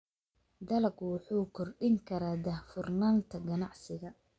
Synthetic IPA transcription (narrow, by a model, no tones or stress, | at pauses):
d̪ɐlɐɡwʊħuːkʰɔrɗɪŋkʰɐɾaːd̪ɐhfʊrnaːnt̪ʰɐɡɐnɑʕsɪɣɐ